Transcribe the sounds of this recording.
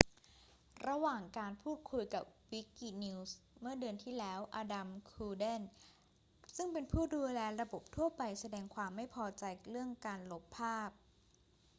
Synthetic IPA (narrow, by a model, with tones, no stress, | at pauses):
ɾa˧waː˨˩ŋkaː˧npʰuː˥˩t̪̚kʰu˧jka˨˩p̚wi˦˥ki˧ni˧˥wsmɯ˥˩ɐdɯ˧ənt̪ʰiː˥˩lɛː˦˥wʔaː˧da˧mkʰuː˧de˥˩n | sɯ˥˩ŋpe˧npʰuː˥˩duː˧lɛː˧ɾa˧bo˨˩p̚t̪ʰu˥˩ɐpa˧jsa˧dɛː˧ŋkʰwaː˧mːa˥˩jpʰɔː˧t͡ɕa˧jɾɯ˥˩əŋkaː˧nlo˦˥pʰːaː˥˩p̚